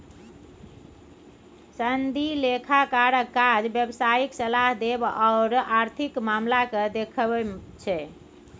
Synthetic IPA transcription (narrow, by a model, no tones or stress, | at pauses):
sənd̪ʱilekʰakaɾəkad͡ʒbjəbsaiksəlaɦd̪ebaʊɾaɾt̪ʰikmamlakəd̪ekʰt͡ʃʰɛ